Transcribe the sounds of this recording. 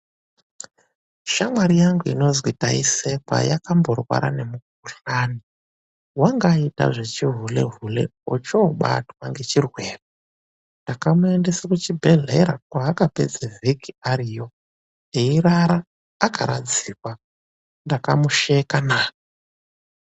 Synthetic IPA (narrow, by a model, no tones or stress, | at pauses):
ʃamwaɾijaŋɡuḭno̞zwitaisekwa̰jakambo̞rwa̰ɾa̰ne̞muk̚uɬaːni | waŋɡaita̰ʐe̞t͡ʃiɦule̞ɦulḛot͡ʃoɓa̰twaŋɡe̞t͡ʃirweːra | ndakamue̞nde̞sakut͡ʃibʱe̞ɮḛɾakwaːkape̞̰d͡zevikiaɾijo̞ | eiɾaɾaː | kʰaɾa̰d͡ziːkwa | ndakamuʃekanaːka